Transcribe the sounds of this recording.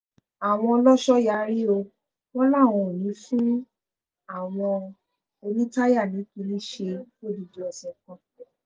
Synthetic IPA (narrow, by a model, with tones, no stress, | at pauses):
a˨w̃ɔ̃˧ɔ˧lɔ˦ʃɔ˦ja˧ɾi˦o˧ | wɔ̃˦la˦˨w̃ɔ̃˧o˨nĩ˨˦fũ˦ | a˦˨w̃ɔ̃˧ | o˧nĩ˦ta˦ja˦˨nĩ˨˦kĩ˧nĩ˦ʃe˧fo˦˨di˧˨di˧˦ɔ˧sɛ̃˧˨kɔ̃˧